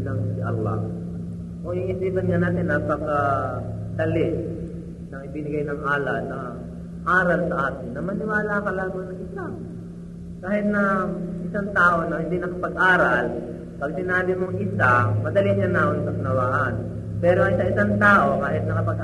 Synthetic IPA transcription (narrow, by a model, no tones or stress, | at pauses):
nɐŋsɪʔɐlːɑ̰ | ʔoɪŋɪsiːbɐnŋɐnaːt̪ɛnɐpɐɡa | d̪ɐlɪ | nɐŋɪbɪnɪɡajnɐŋʔaːlɐʔnɐ | ʔaːɾɐlsɐʔaːt̪ɪnːɐmɐnɪwaːlakɐlaːmɐŋnɐŋʔɪsa | kaːhɪt̪̚nɐʔɪsaŋt̪aːʔo̞nɐhɪnd̪inɐkɐpɐɡ̚ʔaːɾal | pɐɡ̚sɪnaːbɪmoŋʔɪsamɐd̪ɐliʃanaʔonsɐknɐwaːʔan | pɛːɾoʔɐʔɪsaʔɪsaŋt̪aːʔo̞kaːɦɪt̪̚nɐkɐpɐɡʔ